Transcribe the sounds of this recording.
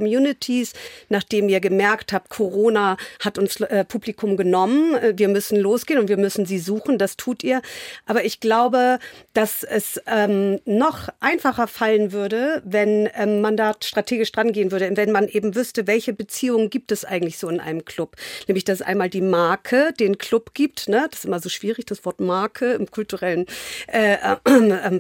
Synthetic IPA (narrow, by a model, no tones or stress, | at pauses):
kɔmjuːnɪtʰisnaːχd̥eːmiːɐɡəmɛɐkthaːp̚t̚kʰoʁoːnahatʊnsʔɛːpʰuːblikʰʊmɡənɔmənɛviːɐmʏsn̩loːsɡ̥eːnʊntv̥iːɐmʏsn̩ziːzuːχn̩dastʰuːtʔiːɐʔaːbɐɪçɡ̥laʊbəd̥asɛsʔɛːmnɔχʔaɪnfaχɐfalənvʏɐdəvɛnʔɛːmmandaːʃtʁ̥atʰeːɡɪʃd̥ʁanɡeːənvʏɐɾəvɛnmanʔeːbm̩vʏstəvɛlçəbət͡siːʊŋənɡiːp̚tɛsʔa̰ɪɡŋ̩tlɪçz̥oːɪnʔa̰ɪnəmkʰl̥ʊpnɛːmlɪçd̥asɛsʔa̰ɪnmaːldiːmaɐkʰəd̥eːnkʰl̥ʊpɡ̥iːp̚tnəd̥sʔɪ̰mɐzoːʃv̥iːʁɪçd̥asv̥ɔɐtmaɐkʰəɪmkʰʊltuʁɛlənʔɛːʔɛʔɛːm